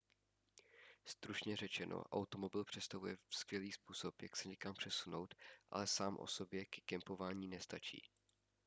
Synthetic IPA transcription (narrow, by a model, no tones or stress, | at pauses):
st̪ɾut͡ʃɲɛrɛt͡ʃɛnʔo̰ʔa̰wt̪o̞mo̞bɪlpr̥ɛst̪avujɛfskvjɛliːspuːso̞pja̰ksɛɲɛkampr̥ɛsuno̞wt̪ʔa̰lɛsaːmʔo̞̰so̞bjɛkɛ̥kɛmpo̞vaːɲiːnɛst̪at͡ʃḭː